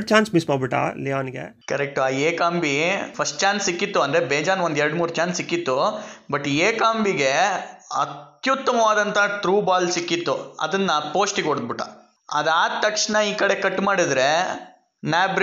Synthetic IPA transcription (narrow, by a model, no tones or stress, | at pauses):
ɽt͡ʃaːnsmismaːɽbiʈːa̰ːliaːnɡḛkɐɾek̚ʈuaːeːkaːmbipʰɐsʈ̚t͡ʃaːnsːikːit̪ːuɐnd̪ɾebeːd͡ʒaːnʋond̪ɛɾɽmuːɾt͡ʃaːnsːikːit̪ːubɐʈːieːkaːmbiɡe̞ɐ̰t̪jut̪ːɐmɐʋaːd̪ɐnt̪ʰɐʈɾuːbaːlsikːit̪ːuɐ̰d̪ɐnːɐpoːsʈiɡoɽd̪̚biʈːɐ̰ | ɐ̰d̪aːt̪ɐkʂnɐiːkɐɽe̞kɐʈːmaːɽid̪ɾe̞ | naːbɾ